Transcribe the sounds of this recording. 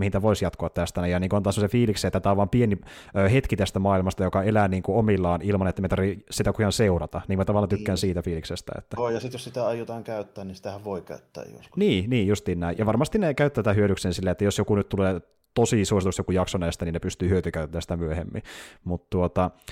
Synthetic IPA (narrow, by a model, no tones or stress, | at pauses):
mihint̪æʋoisjɑt̪koɑt̪t̪ːæst̪ænejɑniːkuɑnt̪ɑsemosefiːlikseet̪ːæt̪æːʋɑmpieni | øːhet̪kit̪æst̪æmɑːilmɑst̪ɑjokɑelæːniːŋkuomilːɑːnilmɑnet̪ːæmet̪ɑrʋisit̪ækuijɑnseurɑt̪ɑniːkmæt̪ɑʋɑlːɑt̪ykːæːnsiːt̪æfiːliksest̪æ̰ḛt̪ːæoːjɑsit̪jossit̪æɑjut̪ɑːŋkæyt̪ːæːnnisi̥t̪æhæʋʋoikæ̰yt̪ːæ̰ːjjo̰skniːniːjust̪iːnnæijjɑʋɑrmɑst̪innekæyt̪ːæt̪ːæhyøɾyksensilːeet̪ːæjosjokunyt̪t̪uleː | t̪osisuosit̪usjokujɑksonæist̪æniːnepyst̪yːyøt̪ykæyt̪ːæːsi̥t̪æmyøhemːḭmut̪t̪uot̪ɑ